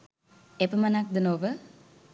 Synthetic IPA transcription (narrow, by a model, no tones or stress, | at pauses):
epəmanak̚d̪ənoʋə